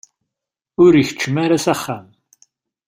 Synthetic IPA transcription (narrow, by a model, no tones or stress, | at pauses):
ʊɾiçə̥t͡ʃːəmaɾasæχːæm